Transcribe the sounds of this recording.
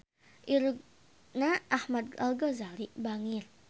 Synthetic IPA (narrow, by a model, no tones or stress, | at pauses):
ʔiɾk | naʔːhmad̪̚alɡɔzalibaŋɪr